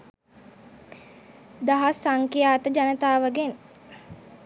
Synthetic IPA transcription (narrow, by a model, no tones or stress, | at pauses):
d̪aɦasːaŋkijaːt̪əd͡ʒanət̪aːʋəɡen